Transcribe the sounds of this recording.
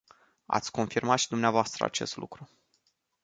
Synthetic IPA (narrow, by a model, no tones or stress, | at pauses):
a̰t̪sʲko̞nfirmat̪ʃid̪umneavoast̪ɾə̰a̰t͡ʃe̞̰st̪lʔṵkɾu